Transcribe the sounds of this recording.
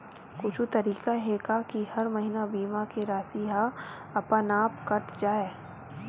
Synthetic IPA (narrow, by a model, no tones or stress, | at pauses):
kʊt͡ʃʰut̪ɐɾiːkaɦekakihɐɾmɐɦinabiːmakeɾaːsiɦa | ɐpənaːpkɐʈd͡ʒaːeː